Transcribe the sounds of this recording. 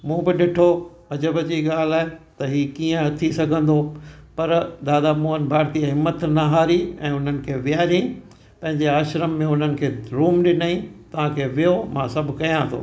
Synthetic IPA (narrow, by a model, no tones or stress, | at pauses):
mũːbɪɗɪʈʰo | ɐd͡ʑəbəd͡ʑiːɠaːl̤aːet̪ɐɦiːkiːə̃ɐt̪ʰisɐɡʱə̃nd̪opɐɾd̪aːd̪amoːənbʱaːɾt̪iəɦɪmːət̪naɦaːɾiɛ̃ːʊn̤ənɪ̆kʰeːʋiaːɾĩ | pɐ̃ɦɪ̃ɲd͡ʑeaːʃɾəmːẽʊn̤ənɪ̆kʰeːɾuːmɗɪnaːĩt̪ɐʋ̤ãkʰeːʋijomãːsɐbʱʊkɐjãt̪ʰo̰ː